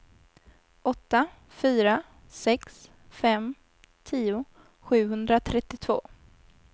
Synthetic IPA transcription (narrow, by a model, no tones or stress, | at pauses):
ʔɔt̪ːa | fyːɾa | sɛks | fɛm | t̪ʰiːʊ | ɧʉ̟ːɦɵnd̪ɾat̪ʰɾɛt̪ːɪt̪ʰvo̰ː